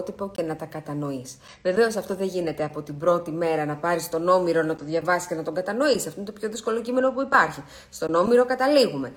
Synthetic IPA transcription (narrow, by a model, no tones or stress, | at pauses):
t̪ipo̞ce̞nɐt̪ɐkɐt̪ɐno̞is | ve̞ve̞o̞sɐft̪o̞ðe̞ʝine̞t̪e̞ɐpo̞t̪ibɾo̞t̪ime̞ɾɐnɐpɐɾist̪o̞no̞miɾo̞nɐt̪o̞ðʝɐvɐsiscenɐt̪o̞ŋɡɐt̪ɐno̞isɐft̪oint̪opço̞ðisko̞locime̞no̞puipɐɾçi | st̪o̞no̞miɾo̞kɐt̪ɐliɣume̞